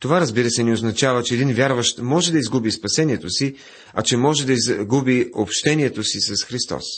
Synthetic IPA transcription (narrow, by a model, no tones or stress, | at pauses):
t̪ovaɾɐzbiɾəsɛnɛoznɐt͡ʃavət͡ʃɛːd̪invʲjaɾvəʃt̪mɔʒɛd̪ɐizɡubispɐsɛniɛt̪osi | ɐt͡ʃɛmɔʒɛd̪ɐizɡubiopʃt̪ɛniɛt̪osisɐsxɾist̪ɔ̰s